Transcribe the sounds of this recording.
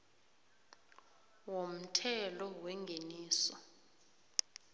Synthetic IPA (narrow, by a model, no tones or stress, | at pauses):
wom̩tʰɛlɔwɛŋɡʱeniːsɔ